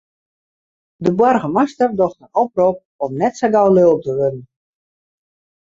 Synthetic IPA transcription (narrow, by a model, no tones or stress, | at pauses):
dəbwɔrɣəmastərdɔxtənɔp̚rop̚ | ɔmnɛtsaɡawløtəʋønən̩